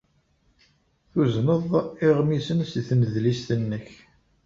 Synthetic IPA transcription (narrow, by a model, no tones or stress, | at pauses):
θuznəðˤɪʁmisənsθməðlist̪ənːəç